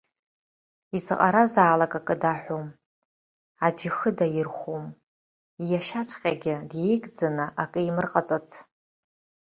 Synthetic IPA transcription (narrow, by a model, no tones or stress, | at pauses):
izɨqʼa̰ɾazaːlakʼakʼɨdaħʷᶣom | ad͡ʒʷixɨdajɪrχʷom | ijaʃat͡ʃʷʰʼqʲʼaɡʲɪdje̞jɡʼd͡zanɨʔakʼɨimɨrqʼat͡sʼat͡sʰ